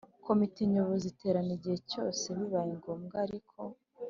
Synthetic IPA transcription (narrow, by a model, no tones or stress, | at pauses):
kʰo̞mitiɲuβozitʰe̞ːɾaniɟihe̞co̞ːseβiβajiŋɡo̞ːmɡaɾikʰo̞